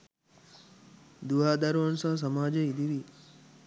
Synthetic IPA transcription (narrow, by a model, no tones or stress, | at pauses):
d̪uɦaːd̪aɾuɐnsaːs̬əmaːd͡ʒeid̪ʱiʋi